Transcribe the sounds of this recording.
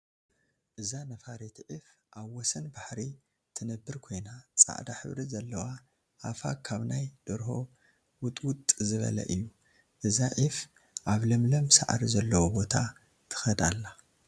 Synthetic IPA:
ʔɨzanɐfaɾet̪ʰʕif | ʔaβwɔsɐnbaħɾi | t̪ʰɨnɐbːɨɾkʰo̞jnat͡sʼa̰ʔd̪aħɨ̰βɾizɐlːɐwa | ʔafa̰kʰaβnajd̪̥ɨɾho̞̰ | wʊt̪ʼwʊt̪ʼzɨβɐ̰lɐ̰ʔɨjːu | ʔɨzaʕif | ʔaβlɐmlɐmsaʔɾizɐlːɐwobo̞t̪ʰa | t̪ʰɨ̥xɐd̪alːa

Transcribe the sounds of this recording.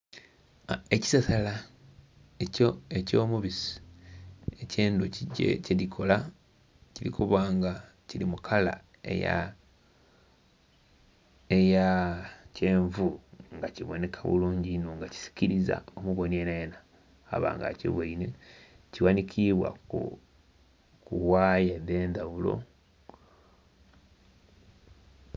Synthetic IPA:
e̞ci̥sasala | ecoeco̞ːmuβisi̥ | eceːnduecelikʰo̞la | ciɾḭkʰuβaːŋɡa | ciɾimukʰala̰ | ḛja̰ | ejace̞ːɱvuŋɡaciβone̞kʰaβṵluːɲɟinuŋɡaci̥si̥ciɾiza̰omuβo̞nieneena̰ː | βa̰ːŋɡa̰cḛβweine | ciwanikʰiβwa̰ku | kuwaːjeðe̞ːndawulo̞̰

